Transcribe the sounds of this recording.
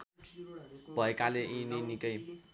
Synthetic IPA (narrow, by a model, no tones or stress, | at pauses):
bʱʌekaleʔininikʌj